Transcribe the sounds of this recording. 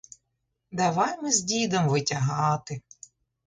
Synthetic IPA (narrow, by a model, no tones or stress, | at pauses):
d̪ɐʋɑjmɪzʲdʲid̪ɐmʋɪtʲɐɦɑt̪ɪ